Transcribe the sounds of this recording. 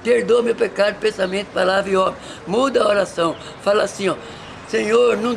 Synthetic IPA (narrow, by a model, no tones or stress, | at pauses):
peɾd̪omewpekaɾd̪pẽsamẽt̪palavɾiɔb | mud̪ɐoɾasɐ̃w̃ | falasĩɔ | sẽɲoɾnɐ̃